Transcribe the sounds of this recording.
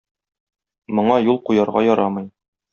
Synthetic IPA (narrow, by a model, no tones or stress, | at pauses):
mŏɴɑjulˠqujɑɾʁɑ̰jɒɾɑmɤ̆j